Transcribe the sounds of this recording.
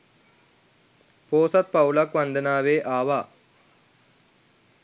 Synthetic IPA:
poːsɐt̪̚pɐwlɐkʋɐnd̪ənaːʋeːʔaːʋaː

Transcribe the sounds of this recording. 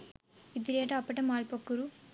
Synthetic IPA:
id̪iɾeːʈɐɐpːɐʈɐmaːlpokːuɾu

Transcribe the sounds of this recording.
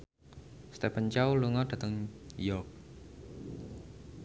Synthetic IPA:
st̪ɛpənt͡ʃawluŋɔd̥ä̤t̪əŋjɔk̚

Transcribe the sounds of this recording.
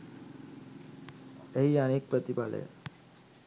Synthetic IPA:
eɦianeːk̚pɾət̪ipalə̰jə̰

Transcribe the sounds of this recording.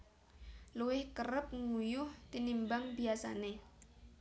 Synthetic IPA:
luwɪhkəɾəp̚ŋujʊht̪inimbaŋbiasa̰ne

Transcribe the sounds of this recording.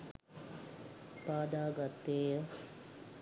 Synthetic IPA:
paːd̪aːɡat̪ːeːjə

